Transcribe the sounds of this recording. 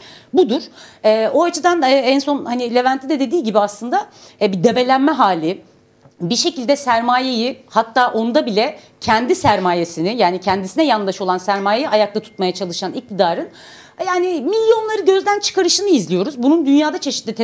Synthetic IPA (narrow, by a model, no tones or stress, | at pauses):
bud̪uɾ̥ɛːo̞at͡ʃʰɯd̪anɛːænso̞nhanilʲe̞vænt̪ʰːid̪ɛd̪e̞d̪iːɟibiaslˠɯnd̪abid̪e̞be̞lʲænmɛɦaːlʲi | biʃe̞cilʲd̪ɛsæɾmaːjejihat̪ʰːaːʔo̞nd̪abilʲɛ | cʰɛnd̪isæɾmaːjesinɪjaːnicʰɛnd̪isinɛjanlˠaʃo̞lˠansæɾmaːjejiʔajak̚t̪at̪ʰu̥t̪̚majat͡ʃʰalˠɯʃanic̚t̪ʰid̪aːɾɯn | jaːnimilʲːjo̞nlˠaɾɯɟø̞zd̪ænt͡ʃʰɯ̥kaɾɯʃɯnɯizlʲijo̞ɾuzbunund̪ynjaːd̪at͡ʃʰe̞ʃit̪lʲit̪ʰ